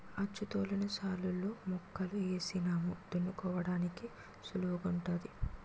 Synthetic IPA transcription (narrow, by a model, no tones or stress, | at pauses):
ɐt͡ʃːut̪oːlɐnɐsaːlːulːoːmɔkːɐlueːsinaːmud̪unːukɔːʋɐɽaːniki | suluɡuɳʈaːd̪i